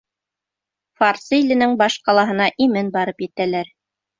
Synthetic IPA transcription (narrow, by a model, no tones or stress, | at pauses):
faɑrsɤilɘ̆nɘŋbɑʃqɑlˠɑɦɤ̆nɑʔimɘnbɑɾɤpjɘ̆t̪ælæɾ